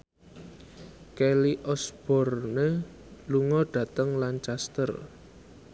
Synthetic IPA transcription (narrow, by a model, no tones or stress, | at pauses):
keliʔɔsb̥ɔ̤rne | luŋɔɖ̥ä̤t̪əŋlant͡ʃast̪ər